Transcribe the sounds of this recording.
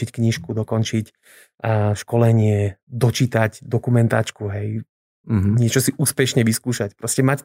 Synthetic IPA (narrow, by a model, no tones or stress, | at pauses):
ickɲiʃkud̪ɔkɔnt͡ʃic | ʃkɔlɛɲɪɛd̪ɔt͡ʃit̪aɟd̪ɔkumɛnt̪aːt͡ʃkuɦɛj | m̩ɦɲɪɛt͡ʃɔsiʔuːspɛʃɲɛʋiskuːʃacpɾɔscɛmac